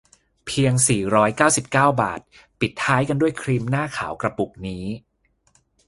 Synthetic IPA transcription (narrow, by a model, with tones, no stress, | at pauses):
pʰi˧əŋsiː˨˩ɾɔː˦˥jkaː˥˩wsi˨˩p̚kaː˥˩wba̰ː˨˩t̪̚ | pi˨˩t̪ʰːaː˦˥jka˧ndu˥˩əjkʰɾiː˧mnaː˥˩kʰa̰ː˩˦wkɾa˧pu˨˩k̚niː˦˥